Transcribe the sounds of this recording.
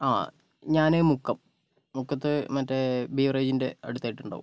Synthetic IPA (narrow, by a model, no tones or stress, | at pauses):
aː | ɲaːnemukːɐmː | ukːɐt̪ːɨmɐtːebiːʋreːd͡ʑinde̞ɐ̰ɽut̪ːaːjiʈːuɳɖa̰ːʋṵm